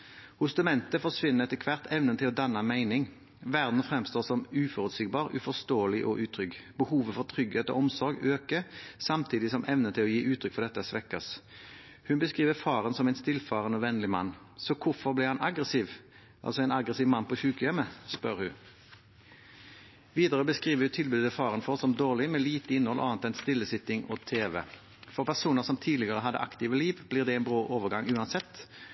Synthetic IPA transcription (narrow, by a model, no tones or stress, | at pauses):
hʊst̪ʉmɛnt̪əfɔsʋɪnːəʁɛt̪əkʰʋɑʁt̪ʰɛʋnənət̪ʰɪlɔd̪ɑnːɑmæɪnɪŋ | ʋæʁd̪n̩fʁɛmst̪oːʁsɔmʉːfɔʁʉt̪siːɡ̚bɑːʁʉ̰fɔʁst̪oːəlɪʔɔʔʉːt̪ʰʁʏɡb̥əhuːʋəfɔʁt̪ʰʁʏɡheːt̪o̰ːɔmsɔɾɡøːkəsɑmt̪ʰiːd̪ɪsɔmʔɛʋnət̪ʰɪlɔjiːʔʉːt̪ʰʁʏkfɔʁd̪ɛt̪ːəsʋɛkːɑs | hʉnbəskʁiːʋəfɑːʁənsɔmæɪnst̪ɪlfɑːʁənɔʋɛnlɪmɑ̰nː | sɔkʰʊfɔʁblɪhɑnɑɡʁəsiːʋ | ʔɑ̰lsɔɛːnɑɡʁəsiːʋmɑnpʰɔçʉːkəjɛməspœʁhʉ | ʋiːd̪əʁəbəskʁiːʋəʁjʉt̪ʰɪlbʉd̪əfɑːʁənfɔʁsɔmd̪oːʁlɪmɛːliːt̪əɪnhɔlʔɑ̰ːnt̪ɛnst̪ɪlːəsɪt̪ɪŋɔːt̪ʰeːʋə̰ | fɔʁpʰæʁsuːnəʁsɔmt̪ʰiːd̪lɪɡəʁəɦɑd̪ːə̰ʔɑ̰kt̪iːʋəliːʋbliːʁd̪ɛɛɪnbʁoːʔoːʋəʁɡɑŋʉːɑnsɛt̪ː